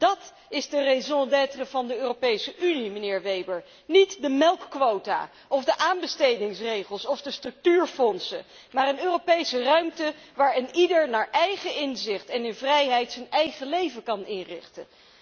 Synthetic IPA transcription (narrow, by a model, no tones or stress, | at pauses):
d̥ɑt | ɪzdərezɔ̃dɛtrəvɑndəøːropejsəʔynimənɪːɹʋejbəɹ | nitdəmɛlˠkːʋowta̰ | ɔfdəʔaːnbəstejdɪŋsrejχəlˠsɔvdəstrɵk̚tyːɹfɔnsə | maːrənøːropejsərœɥmtəʋaːɹɪnidəɹnaːɹʔɛjχəɪnzɪχtɛnɪnvrɛjɦɛjtsənɛjχəlejvəkɑnɪnrɪ̰χtə̰